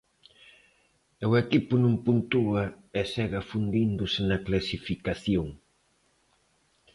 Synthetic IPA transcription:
ewekipʊnõmpunt̪uɐ | ɛsɛɣɐfund̪ind̪ʊsɪnɐklasifikaθjoŋ

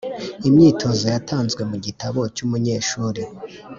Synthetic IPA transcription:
imɲiːtʰo̞zojatʰaːnzɡwe̞muɟitaβo̞cumuɲe̞ːʃuːɾi

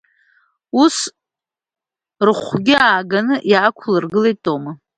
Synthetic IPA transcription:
us | rɨχʷɡʲɪaːɡanɨʔjaːkʷʰlɨrɡɨlejtʼoma

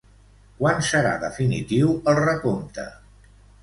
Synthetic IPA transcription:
kwansəɾa̰ðəfinḭt̪iwəlˠrəkomt̪ə̰

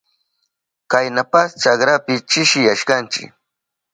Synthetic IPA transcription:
kajnapast͡ʃakɾapɪt͡ʃɪʃɪjaʃkant͡ʃɪ̰k

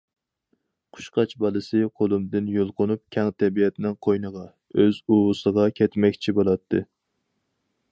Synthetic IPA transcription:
qʰʊ̥ʃqɑt͡ʃbɑlˠɨsɨqʰolˠumd̪ɪnjolˠqʊnup̚kʲʰɛŋt̪ʰɛbijɛt̪ʰnɪŋqʰojnəʁɑ | øzuʊsəʁɑkʲʰɛt̪mɛkʲt͡ʃʰibolˠɑt̪ʰːɨ

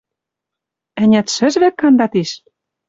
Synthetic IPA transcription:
ɘ̆nʲæt̪ʃɘ̆ʒβɘ̆kːɑnd̪ɑt̪iʃ

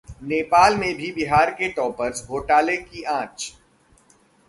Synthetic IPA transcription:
neːpaːlmẽbʱibɪɦaːɾkeʈɔːpəɾsbʱoːʈaːlekiʔãːt͡ʃ

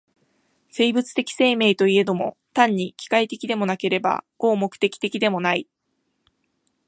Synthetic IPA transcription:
se̞ːbɯ̟t͡sɨ̥t̪e̞kʲi̥se̞ːme̞ːt̪o̞ie̞d̪o̞mo̞̰ | t̪ãɲ̟ːikʲi̥kait̪e̞kʲid̪e̞mo̞nake̞ɾe̞ba̰ɡ̥o̞ːmo̞kɯ̥t̪e̞kʲi̥t̪e̞kʲid̪e̞mo̞nai

